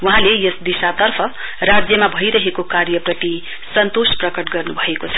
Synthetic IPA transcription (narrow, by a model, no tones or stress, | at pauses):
wuɦãlejʌsd̪isat̪ʌrpʰʌ | rad͡zjʌmabʱʌjɾʌɦekokaɾjʌprʌt̪i | sʌnt̪osprʌkʌʈɡʌrnubʱʌekot͡sʰʌ̥